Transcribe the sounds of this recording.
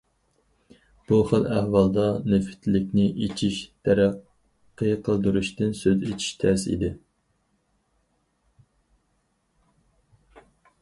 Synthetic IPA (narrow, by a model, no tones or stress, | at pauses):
b̥uχəlˠæhwɑlˠd̪ɑnɪfɪ̥t̪ʰlɪkʲnɪʔet͡ʃʰiʃt̪ʰɛɾæ | qʰːəqʰəlˠd̪uɾuʃt̪ɪnsøzet͡ʃʰi̥ʃt̪ʰæsḭd̪ɪ